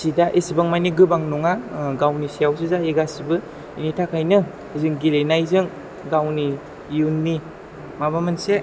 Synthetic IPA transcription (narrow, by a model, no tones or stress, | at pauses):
sidaʔesibaŋmajniɡɯbaŋnɔŋaɡawnisijaws̬ɯzaeɡasibɯ | initʰakʰajnɯ | izɯŋɡilenajzɯŋ | ɡawniː | unːi | mabamɯnse